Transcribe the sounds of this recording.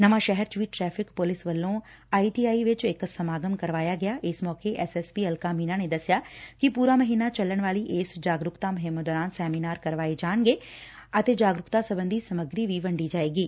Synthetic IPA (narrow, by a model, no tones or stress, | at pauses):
nəʋãːʃɛɦɛɾt͡ʃʋiːʈɾɛːpʰɪkpʊlɪsʋəlːõː | aːiːʈiːaːiʋɪt͡ʃɪksəmaːɡəmkəɾʋaːjaːɡɪjaːʔɪsmɔːkeʔɛsɛːspiːəlkaːmiːnaːneːd̪əsɪjaːkɪpuːɾaːməɦiːnaːt͡ʃəlːəɽ̃ʋaːliːʔeːsd͡ʒaːɡɾʊkt̪aːmʊɦɪmːd̪ɔːɾaːnsɛːmiːnaːɾkəɾʋaːed͡ʒaːɳɡeː | ət̪eːd͡ʒaːɡɾʊkt̪aːsəbə̃nd̪iːsəməɡɾiːʋiːʋəɳɖiːd͡ʒaːeːɡiː